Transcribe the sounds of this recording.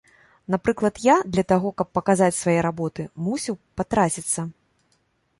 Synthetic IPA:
napɾɨklˠɐt̪jad̪lʲɐt̪aɣɔkɐpːɐkazat͡sʲsvajɛɾabɔt̪ɨmusʲiwpat̪ɾat͡sʲit̪sːɐ

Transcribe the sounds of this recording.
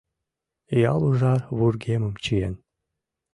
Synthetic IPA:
jɑlˠuʐɑβurɡemə̆mt͡ɕien

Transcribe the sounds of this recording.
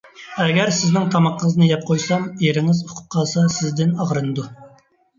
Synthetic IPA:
ɛɡʲɛɾsɪznɪŋt̪ʰɑmɑqʰːəŋəznɨjɛp̚qʰojsɑmeɾɪŋɪzuqʰʊ̥qʰːɑːsɑsɪzd̪ɪnɑʁɾɨnɨd̪u

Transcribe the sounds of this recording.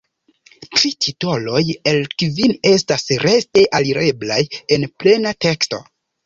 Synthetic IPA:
tɾitʰito̞lo̞je̞lkvine̞stasɾeste̞ʔaliɾe̞blaje̞nple̞nate̞ksto̞̰

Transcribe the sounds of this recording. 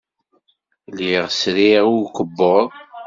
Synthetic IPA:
liʁsɾiʁʊɾkəbːoðˤ

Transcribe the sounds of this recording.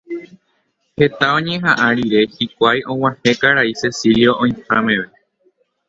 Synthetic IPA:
he̞t̪aõɲẽɦãʔaɾiɾe̞hikʷajʔõ̞wahe̞kaɾaise̞siljo̞ʔõĩhãmẽʋe

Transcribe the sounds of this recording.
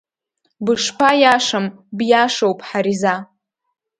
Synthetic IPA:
bɨʂpʰajaʂambjaʂowpʰʼħaɾiza

